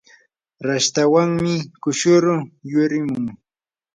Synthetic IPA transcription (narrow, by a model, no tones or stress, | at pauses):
ɾaʃt̪awaŋmɪkʊʃʊɾʊjʊɾɪmʊŋ